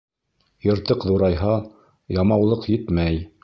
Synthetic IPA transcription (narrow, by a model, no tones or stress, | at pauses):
jɤ̆ɾt̪ɤqðuɾɑjɦɑ | jɑmɑwlˠɤqjɘt̪mæj